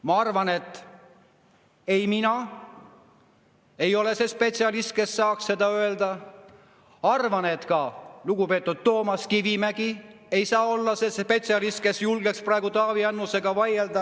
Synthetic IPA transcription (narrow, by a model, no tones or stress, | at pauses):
mɑɑrvɑne̞t̪ˑː | e̞jminɑ | e̞jo̞le̞se̞spe̞t̪siɑlist̪̚ke̞sːɑːksse̞d̪ɑø̞e̞ld̪̥ɑ | ɑrvɑne̞t̪kɑluɡ̥upe̞ːt̪ːˑud̪̥̚t̪o̞ːmɑskivimæɡ̥i | e̞jsɑːo̞lːɑse̞spe̞t̪siɑlist̪̚ke̞sjulɡeksprɑˑe̞ɡ̥ut̪ɑːviɑnːuse̞ɡ̥ɑvɑje̞ld̪ɑ